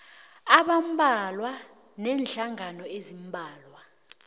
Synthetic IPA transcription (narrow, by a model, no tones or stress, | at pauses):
aɓam̩bʱalwa | nɛːnɬaŋanɔezimbʱaːlwa